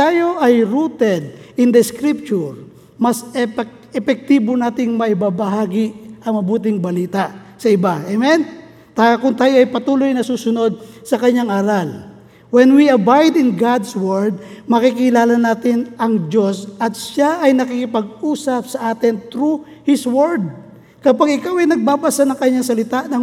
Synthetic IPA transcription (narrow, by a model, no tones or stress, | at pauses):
t̪aːjo̞ʔɐjɾuːt̪ɛd̪̚ʔɪnd̪ɛskɾip̚t͡ʃʊɹ | mɐs | ɛpɛk̚t̪ibonaːt̪ɪŋmɐʔɪbabɐɦaːɡɪʔɐŋmɐbuːt̪̬ɪŋbɐliːt̪aʔ | sɐɪbaʔɛmɛn | t̪akʊnt̪aːjoʔɐjpɐt̪uːlojnɐsuːsʊno̞d̪̚sɐkɐɲːaŋaːɾɐl | wɛnwiɐbajd̪ɪnɡad̪swɛɹd̪̚mɐkikɪlaːlɐnaːt̪ɪnʔɐŋd͡ʒo̞sʔɐt̪̚ʃaʔɐjnɐkikɪpɐɡ̚ʔuːsɐp̚sɐʔaːt̪ɪnt̪ɾu | hɪswɛɹd̪̚ | kɐpaɡɪkawɐjnɐɡ̚baːbasanɐŋkɐɲːaŋsɐlɪt̪aʔnɐ